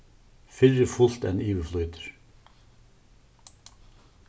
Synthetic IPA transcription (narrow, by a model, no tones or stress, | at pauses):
fɪɾəfʊlt̪ɛ̰niːʋəflœʏt̪ə̥ɹ